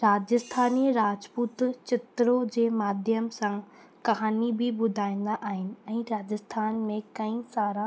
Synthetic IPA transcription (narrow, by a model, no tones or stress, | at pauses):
ɾaːd͡ʑəst̪ʰaːniːɾaːd͡ʑpuːt̪t͡ɕɪt̪ɾod͡ʑeːmaːd̪ʱjəmsã | kɐɦaːnibɪɓʊd̪ʱaːĩːn̆d̪aʔaːɦɪnɪ̆ɛ̃ːɾaːd͡ʑəst̪ʰaːnmẽkɐĩsaːɾa